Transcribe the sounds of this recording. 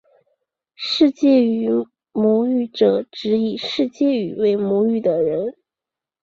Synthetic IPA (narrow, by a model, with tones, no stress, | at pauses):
ʂɻ̩˥˧t͡ɕjɛ˥˩y˧˥ | mwɔ˧˥y˥˩ʈ͡ʂɤ˨˩ʈ͡ʂɻ̩˧˥i˨˩ʂɻ̩˥˧t͡ɕjɛ˥˩y˨˩we˧˥ɪmwɔ˧˥y˥˩d̪ə˩ɻə˧˥n